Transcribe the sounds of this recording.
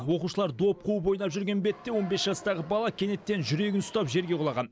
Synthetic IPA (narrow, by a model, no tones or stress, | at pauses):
wo̞quʃəlˠɑɾd̪o̞p̚qʰupo̞jnɑpʒʏɾɡʲe̞nbe̞t̪ːe̞wo̞nbe̞sʒɑst̪ɑʁəbɑlˠɑkʲʰe̞ne̞t̪ːe̞nʒʏɾe̞ɡʲɪnʊst̪ɑpʒe̞ɾɡʲe̞qʰolˠɑʁɑn